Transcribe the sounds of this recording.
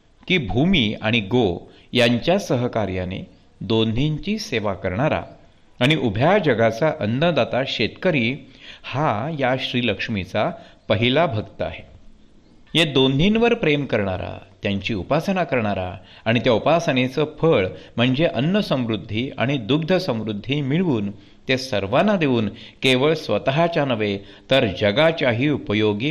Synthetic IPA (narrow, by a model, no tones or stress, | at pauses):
kiːbʱumiːaɽ̃iɡo | jaɲt͡ɕjasəɦəkaɾjanḛ | d̪onʱiɲt͡ɕiːseʋakəɾɳaɾa̰ | aɽ̃iʔubʱjad͡ʑəɡat͡saʔənːəd̪at̪aɕet̪kəɾiːhajaɕɾiːləkʂmit͡sapəɦilabʱəɡt̪əa̰ɦe | jed̪ond̪ʱinʋəɾpɾemkəɾɳ̃a̰ɾa̰t̪jaɲt͡ɕiːupasənakəɾɳ̃aɾa̰ | aɽ̃it̪jaupasənet͡səfʰəɭm̤əɳd͡zeʔənːəsə̃mɾud̪ʱːia̰ɽ̃id̪uɡ̚d̪ʱəsə̃mɾud̪ʱːiːmiɭuːn | t̪esəɾʋanːad̪eʋuːnkeʋəɭsʋə̰t̪əɦat͡ɕanəʋe | t̪əɾd͡ʑəɡat͡ɕjaɦiːupəjoɡi